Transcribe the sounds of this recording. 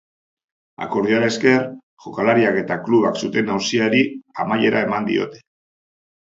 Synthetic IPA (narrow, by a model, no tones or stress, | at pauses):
a̰ko̞ɾðiaɾaeske̞ɾ | ʝo̞kalaɾiake̞t̪akluβ̞aksut̪e̞nawsiaɾiamaje̞ɾae̞mand̪ḭo̞̰t̪e̞̥